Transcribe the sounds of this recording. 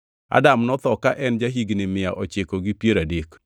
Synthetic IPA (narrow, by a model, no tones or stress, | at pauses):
a̰damnɔt̪ɔkaʔɛnd͡ʒaɦiɡnɪmɪjaʔɔt͡ʃekoɡɪpjeɾadek